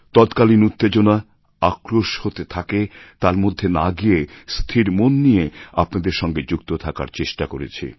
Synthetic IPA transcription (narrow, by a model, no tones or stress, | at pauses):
t̪ɔt̪kalinut̪ːed͡ʑona | akɾoʃhot̪et̪ʰaket̪aɾmod̪ʱːenaɡiest̪ʰiɾmonːijeapnad̪eɾʃɔŋɡed͡ʑukt̪ot̪ʰaka̰ɾt͡ɕeʃʈakoɾet͡ɕʰḛ